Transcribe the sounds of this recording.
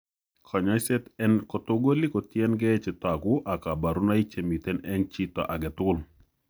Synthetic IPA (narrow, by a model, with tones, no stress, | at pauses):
kʰɔ˨ɲɔ˦sɛ˦t̪ɛ˦nkɔ˨t̪o˦ɡo˦li˦ko˨t̪jɛ˦nɡɛ˦t͡ʃɪ˨t̪ɔa˨ɡʊ˦ʔa˨ka˨ba˨ɾu˦na˦i˦t͡ʃe˨mi˨t̪e˦nɛ˦nt͡ʃi˦t̪ɔ̰˨ʔa˨ɡɛ˨t̪ʊ˦l